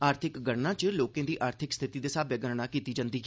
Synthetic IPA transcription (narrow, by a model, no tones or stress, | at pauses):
aːɾt̪ʰɪkɡəɽnãːt͡ʃloːkẽːd̪iːʔaːɾt̪ʰɪkst̪ʰɪt̪iːd̪eːsaːbeaːɡəɾnãːkiːt̪iːd͡ʒãːnd̪iːɦɛ